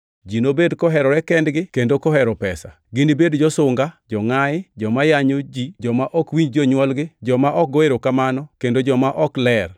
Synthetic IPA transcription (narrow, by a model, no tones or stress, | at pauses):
d͡ʒinobedkɔɦɛɾɔɾɛkɛndɡɪkendokɔhɛɾɔpɛsa̰ | ɡɪnibedd͡ʒɔsʊŋɡad͡ʒɔŋaɪd͡ʒɔmajaɲod͡ʒid͡ʒɔmaʔɔkwiɲd͡ʒɔɲwɔlɡɪd͡ʒɔmaʔɔk̚ɡɔeɾokamanɔkendod͡ʒɔmaʔɔklɛr